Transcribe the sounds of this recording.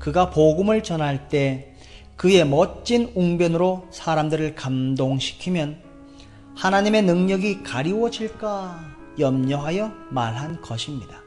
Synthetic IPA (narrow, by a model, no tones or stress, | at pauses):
kɯɡapoɡɯmɯɭt͡ɕʌnɦaɭt͈e̞ | kɯe̞mʌt͡ɕ͈inuŋbjʌnɯɾosʰaɾamdɯɾɯɭkamdoŋɕʰi̥kʰimjʌn | hanaɲime̞nɯŋɲʌɡikaɾiwʌd͡ʑiɭk͈a | jʌmɲʌɦajʌmaɭɦankʌɕʰimɲida